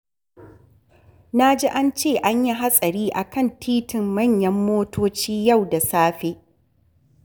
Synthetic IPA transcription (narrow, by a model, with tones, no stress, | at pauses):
na˦d͡ʒi˦ʔa˦nt͡ʃeː˦˨ʔa˦ɲji˦ɦa˦sʼɐ˨ɾiː˦ʔa˨kɐ˦˨ntʰiː˦tʰɪ˨mːɐ˦˨ɲjɐ˦mːoː˦toː˦t͡ʃiː˦ja˦˨wda˨saː˦ɸe˦ʔ